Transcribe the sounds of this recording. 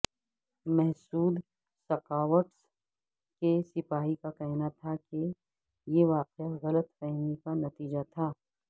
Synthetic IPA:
mɛɦsuːd̪ | sɐkaːʋəʈs | kesɪpaːɦikakɛɦnat̪ʰake | jeʋaːqeaɣɐlət̪fɛɦmikanɐt̪iːd͡ʒat̪ʰaː

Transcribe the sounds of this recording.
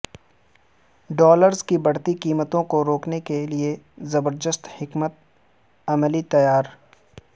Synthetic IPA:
ɖɔːləɾzkibɐɽ̤t̪ikiːmət̪õkoɾoːknekelie | zɐbəɾd̪əst̪hɪkmət̪̚ | ɐməlit̪ɐjaːɾ

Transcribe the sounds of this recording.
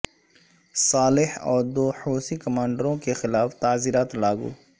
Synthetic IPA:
saːlɪhɔ̰ːɾd̪oːhoːsikɐmãːɳɖɾõkexɪlaːft̪aːziːɾaːt̪laːɡṵː

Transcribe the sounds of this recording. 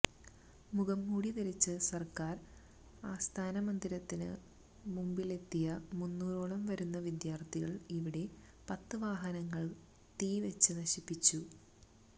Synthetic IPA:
muɣɐmːuːɽiðɐɾɐt͡ɕːɨsɐrkaːr | aːst̪ʰaːnɐmɐnd̪iɾɐt̪ːinɨ̰ | mumbile̞t̪ːijɐmunːuːro̞ːɭɐmʋɐɾunːɐʋid̪jaːrt̪iɣɐɭiʋiɽe̞ | pɐt̪ːɨʋaːɦɐnɐŋːɐɭ | t̪iːʋet͡ɕːɨnɐɕipːit͡ɕːu

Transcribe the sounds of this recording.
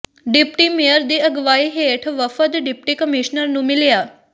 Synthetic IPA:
ɖipʈimijəɾd̪iəɡʋaiɦeʈʰʋəfəd̪ɖip̚ʈikəmiʂnəɾnumilja

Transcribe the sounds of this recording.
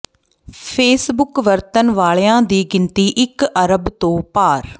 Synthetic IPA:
pʰeːsbʊkʋəɾt̪ənʋaːɭːãːd̪iːɡɪnt̪iːʔɪkəɾəbt̪õːpaːɾ

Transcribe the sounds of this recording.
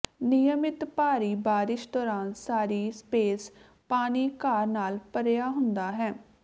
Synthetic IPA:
nɪjəmɪt̪paːɾiːbaːɾɪʃd̪ɔːɾaːnsaːɾiːspeːs | paːniːkaːɾnaːlpəɾejaːɦʊnd̪aːɦɛː

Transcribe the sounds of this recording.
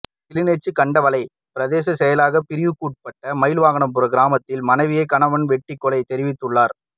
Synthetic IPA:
t̪ɪlɪnɐt͡ʃːɯkɐɳɖɐʋɐlɐɪ | pɪɾɐðeːs̬ɐsɛjɐlaːɣɐpɪɾɪʋɯkːuːʈ̚pɐʈːɐmɐɪlʋaːɣɐɳɐmpɯɾɐɡɪɾaːmɐt̪ːɪlmɐnɐɪʋɪjɐɪkɐnɐʋɐnʋɛʈːɪkːɔlɐɪt̪ɛɾɪʋɪt̪ːɯɭːaːɾ

